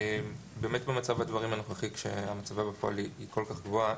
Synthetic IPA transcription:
em | be̞ːmetbemat͡savad̪vaʁimanoχaχikʃḛamat͡savabefoa̰liiko̞lkaχɡvoa

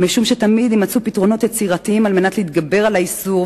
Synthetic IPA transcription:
miʃumʃetamid̪imat͡supitʁo̞no̞t̪jet͡siʁatiimalmenatleit̪ɡabe̞ʁalaisuʁ

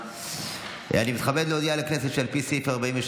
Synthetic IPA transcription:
animit̪χabed̪leod̪ialekneset̪ʃelpisefeaʁbaĩmveʃ

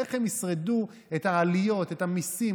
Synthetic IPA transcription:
eχemisʁedu | ethaːlijo̞tethamisi

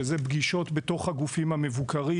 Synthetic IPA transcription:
ezebɡiʃo̞t̪bet̪o̞χhaɡufimhame̞vukʰaʁi

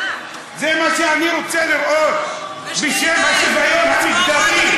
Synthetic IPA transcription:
zemaʃeaniɾot͡seliɾʔot̪̚ | biʃemaʃebajomɦamisd̪atim

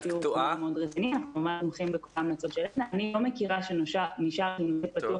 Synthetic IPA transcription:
tiueomeodʁetinianaχnumamaʃmoχimbeko̥lamlat͡sodʃelenanilomekiʁaʃenʃaniʃaʁʃenoet̚pat̪u

